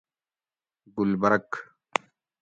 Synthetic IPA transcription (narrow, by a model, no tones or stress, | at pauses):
ɡʊlbɐɾɐk